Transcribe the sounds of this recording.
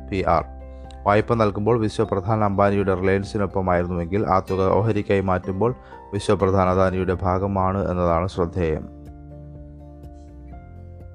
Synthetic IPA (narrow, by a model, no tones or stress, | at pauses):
piʔa̰ːr | ʋaːjpːɐnɐlkumboːɭʋiɕwɐprɐd̪ʱaːnɐɐmbaːnɐjuɽe̞rileːnsinopːɐmaːjiɾunːuʋe̞ŋɡilʔa̰ːt̪uɣɐoːɦɐɾikʲːaːjimaːtːumbo̞ːɭ | ʋiɕwɐprɐd̪ʱaːnɐd̪aːnɐjuɽe̞bʱaːɡɐmaːɳɨe̞̰nːɐðaːɳɨɕrɐd̪ʱːeːjɐ̰m